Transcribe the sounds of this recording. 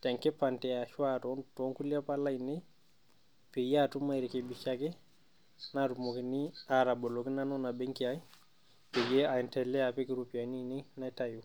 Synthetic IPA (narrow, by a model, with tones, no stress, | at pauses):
tɛ˨ŋke˦pa˨ntɛ˨a˨ʃwatɔ˦ntɔ˦ŋku˦la˦pa˦la˦i˨ne˦ | pe˨ja˦tu˦ma˦i˨ɾi˨ke˨bi˨ʃake˦ | na˨tu˨mo˨ki˨ni˦a˨ɾa˨bɔ˨lɔ˨kɪ˦na˦nɔ˦na˨bɛ˦ŋkia˦j | pe˨ɡe˦a˨ntɛ˨lːɛ˦a˨pe˦kɪ˦ɾupa˨ni˦ne˦na˦ta˦ju˨